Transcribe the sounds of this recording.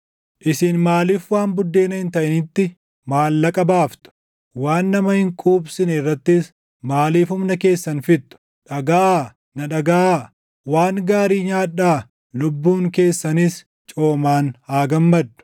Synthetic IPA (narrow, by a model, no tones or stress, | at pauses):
ʔɪsɪnmaːliːfwaːnbʊd̪ːe̞ːnɐhɪnt̪ɐʔɪnɪt̪ːɪ | maːlːɐkʼɐbaːft̪ʊ̥ | waːnːɐmɐhɪŋkʼuːbsɪnɛɪrːɐt̪ːɪs | maːliːfʊmnɐke̞ːsːɐnfɪt̪ːʊ̥ | ᶑɐɡaʔaː | nɐᶑɐɡaaː | waːŋɡaːɾiːɲaːᶑaː | lʊbːuːŋke̞ːsːɐnis | t͡ʃʼo̞ːmaːnhaːɡɐmːɐd̪ːʊ̥